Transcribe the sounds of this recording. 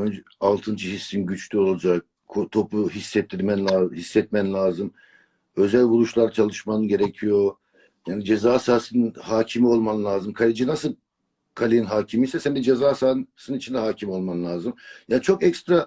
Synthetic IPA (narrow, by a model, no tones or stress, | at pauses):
ønd͡ʒ | alˠt̪ʰɯnd͡ʒɯhisːinɟyt͡ʃʰlʲyo̞lˠad͡ʒak̚ | kʰot̪ʰo̞puɦisːɛt̪ʰːiɾmænʲahisːɛt̪̚mænlʲaːzɯm | ø̞zælʲbulˠuʃlˠaɾt͡ʃʰalˠɯʃmanɯɟe̞ɾecʰijo̞ | jaːnid͡ʒezaːsaːsɯninhaːcʰimio̞lˠmanɯlʲˠaːzɯmkʰalʲid͡ʒinasɯlˠ | kʰalʲijinɦaːcʰimisɛsænd̪ɛd͡ʒezaːsaːsɯnit͡ʃʰind̪ɛɦaːcʰimio̞lˠmanɯlʲˠaːzɯmjaːnit͡ʃʰo̞kɛcst̪ɾa